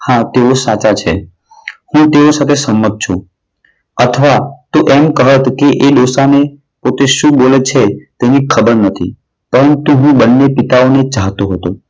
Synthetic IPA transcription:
hãt̪eosat͡ʃat͡ʃʰe | hũt̪eosat̪ʰesəmːət̪̚t͡ʃʰṵ̃ | ət̪ʰəʋat̪oʔemkəɦət̪keʔeɗ̪osane | pot̪eʃũbolet͡ʃʰet̪enikʰəbəɾnət̪ʰḭ | pəɾənt̪uɦũbənːepit̪aonet͡ʃaɦt̪oɦət̪o

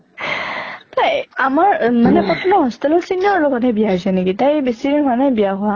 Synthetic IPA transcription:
tajamaɹmanɛpɔtʰɔnɔɦɔstɔlɔlsinɔɹlɔɡɔtɦɛbijazɛnekitajbesiɦanajbijaɦʊa

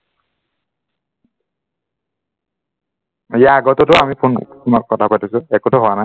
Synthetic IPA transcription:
ijaːɡɔtɔtʊamipʰuntumakkɔtʰapatisʊɛkotʊɦʊwanaj

